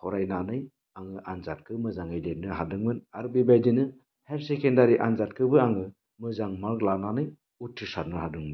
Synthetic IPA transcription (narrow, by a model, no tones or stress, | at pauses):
hɔɾajnanɯj | aŋɯʔanzat̚kʰɯmɯzaŋajdenɯɦadɯŋmɯnaɾbibajdinɯ | heɾsekendaɾiʔanzat̚kʰɯbɯaŋɯ | mɯzaŋmaklananɯj | utʰːisat̚nɯhadɯŋmɯn